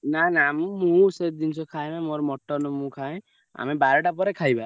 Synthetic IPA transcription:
nanamũmũsed̪int͡ʃʰɔkʰaẽnãmoɾɔmɔʈːɔnɔmũkʰaẽ | a̰mebaɾɔʈapɔɾekʰajba

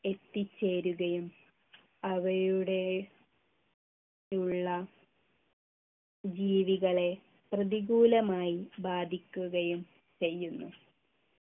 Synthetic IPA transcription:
e̞t̪ːit͡ɕːe̞ːɾuɣɐjum | ɐʋɐɾuɽe | uɭːɐ | d͡ʑiːʋiɣɐɭe̞ | prɐðiɣuːlɐmaːjibaːd̪ʱikʲːuɣɐjum | t͡ɕe̞jːunːu

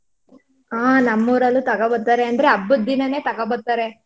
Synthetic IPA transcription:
aːnɐmːoːɾɐlːut̪ɐɡɐbɐɾt̪aːɾe̞ɐnd̪ɐɾeɐbːud̪ːinɐne̞ːt̪ɐɡɐbɐɾt̪aːɾe̞

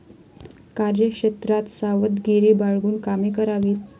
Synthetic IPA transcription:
kaɾjəkʂet̪ɾat̪saʋət̪ɡiɾiːbaɭɡuːnkamekəɾaʋiːt̪

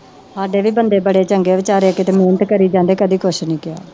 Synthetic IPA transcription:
saːɖeːʋiːbənd̪eːbəɽeːt͡ʃəŋɡeːʋɪt͡ʃaːɾeːəkɪt̪eːmeːnət̪kəɾiːd͡ʒãːnd̪eːkəd̪iːkʰʊʃnĩːkɪja̰ː

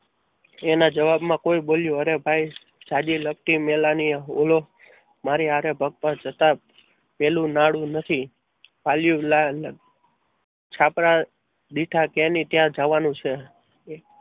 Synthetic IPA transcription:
enad͡ʒəʋabmãkoiboljuəɾebʱaj | d͡ʒad͡ʒiləp̚ʈ̪imelanio̰lo | maɾiɦaɾebʱəɡ̚pə̃d͡ʒət̪a | pelũnaɽũnət̪ʰi | paljulanə | t͡ʃʰapɾa | ɗ̪iʈʰakenit̪jãd͡ʒaʋanũt͡ʃʰe

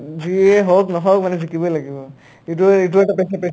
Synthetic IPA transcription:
ziɛɦoknɔɦɔkmanɛzikibɔjlaɡibɔ | it̬uit̬uɛʈapɛsɛpɛ

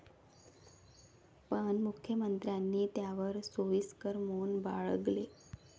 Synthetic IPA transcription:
pəɳmukʰjəmənt̪ɾjanːiːt̪jaʋəɾsoʋiːskəɾmonba̰ɭəɡle

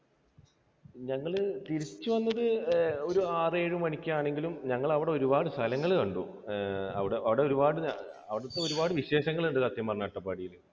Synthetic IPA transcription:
ɲɐŋːɐɭt̪iɾit͡ɕːuʋɐnːɐðɨo̞ɾuaːre̞ːɻumɐɳikʲːaːɳe̞ŋɡilumɲɐŋːɐɭɐʋiɽe̞o̞ɾubaːɽɨst̪ʰɐlɐŋːɐɭuɳɖṵ | ɐ̰ʋiɽeɐʋiɽe̞o̞ɾubaːɽɨɐʋiɽɐt̪ːeo̞ɾubaːɽɨʋiɕe̞ːɕɐŋːɐɭɐɳɖɨsɐt̪jɐmːɐrnaːʈːɐpːaːɽijil

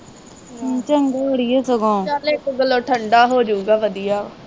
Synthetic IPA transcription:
t͡ʃəŋɡeəɽijeːsəɡõːt͡ʃaːlɪkɡəlːoːʈʰəɳɖaːɦoːd͡ʒuːɡaːʋəd̪ijaː

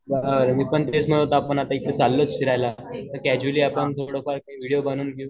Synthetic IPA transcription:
baɾmiːpəɳt̪esm̤əɽot̪aːpəɳat̪ait̪ːet͡salːət͡sfiɾajlat̪əkɛd͡ʑuliːapəɳt̪ʰoɽofaɾkaiʋiɽijobəñuːnɡju

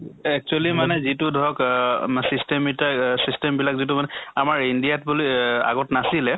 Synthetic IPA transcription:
ɛk̚t͡ʃualimanɛzitʊdʱɔɔksistɛmitasistɛmbilakzit̬ʊmanɛamaɹindijat̚bulia̰ɡɔtnasilɛ

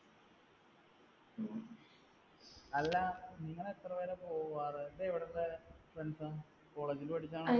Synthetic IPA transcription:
ɐlːɐniŋːɐɭet̪ːrɐʋeːɾepo̞ːuʋaːrɨed̪eːʋiɽelːefrensɨ | ko̞ːɭe̞ːd͡ʑilupɐʈit͡ɕːaːɳ

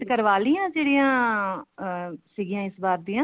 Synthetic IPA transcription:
kəɾʋaːliːãːd͡ʒeːɾijãː | siːɡɪjãːɪsbaːɾd̪iːãː

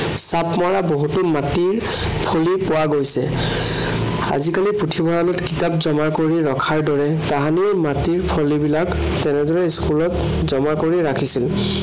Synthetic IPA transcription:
sapmaɹaboɦutumatiɹ | pʰolipowaɡojsɛ̰ | a̰zikaliputʰibʱɔɹalɔtkitapzɔmakoɹiɹɔkʰaɹdɔɹɛ | taɦaniɹmatiɹpʰolibilak | tɛnɛdɔɹɛskulɔt | zɔmakoɹiɹakʰisil

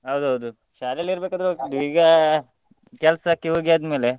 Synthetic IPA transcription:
ɦɐwd̪uɦɐwd̪u | ʃaɾɐliɾbekad̪ɾoɖ̪ʋiɡa | kɛlsakːiɦoɡijaːd̪mele

